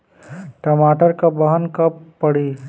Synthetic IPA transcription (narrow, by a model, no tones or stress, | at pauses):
ʈɐmaːʈəɾkabɐɦənkɐpːɐɽi